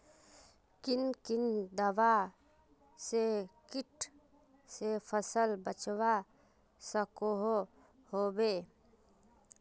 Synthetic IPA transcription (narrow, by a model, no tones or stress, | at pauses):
kinkind̪əʋa | sekiʈʰ | sepʰəsəlbət͡ʃwa | səkoɦo | hobe